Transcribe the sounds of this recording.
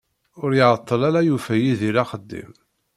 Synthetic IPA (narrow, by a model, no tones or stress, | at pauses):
ʊɾjɪʁət̪ˤːəlaɾajufæjiðiɾaχəd̪ːḭm